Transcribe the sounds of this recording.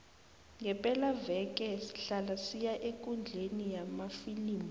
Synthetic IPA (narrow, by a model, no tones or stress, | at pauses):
ŋɡɛpʼɛlavɛk̬ʼɛsi̥ɬalasijaʔekʼund͡ɮʱenijamafiliːmu